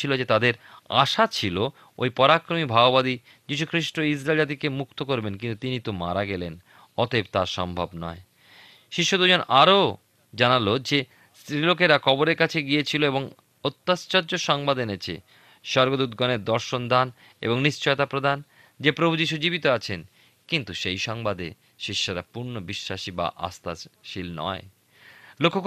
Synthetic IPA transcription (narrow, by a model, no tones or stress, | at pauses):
ilod͡ʑet̪ad̪eɾa̰ʃat͡ɕʰilo | o̰jpɔɾakɾomibʱaobad̪i | d͡ʑiʃ̬ukʰɾiʃʈois̬ɾaelad̪ikemuk̚t̪okoɾbenkint̪ut̪init̪oma̰ɾaɡɛlḛn | ɔt̪eb̚t̪aɾʃɔ̰mbʱa̰bnɔ̰e | ʃiʃːod̪ud͡ʑonaɾo | d͡ʑanalod͡ʑe | st̪ɾilokeɾakʰɔboɾeɾkat͡ɕʰeɡijet͡ɕʰiloeboŋ | ot̪ːast͡ɕɔd͡ʑoʃɔŋbad̪enet͡ɕʰḛ | ʃɔɾɡod̪ud̪ɡɔneɾd̪ɔɾʃond̪ʱan | ḛboŋniʃt͡ɕɔeot̪apɾod̪ʱan | d͡ʑepɾobʱud͡ʑiʃ̬ud͡ʑibit̪oat͡ɕʰen | kint̪uʃejʃɔŋbad̪e | ʃiʃːoɾapuɾnobiʃːaʃiba̰ʔa̰st̪aʃilnɔ̰e | lokʰːok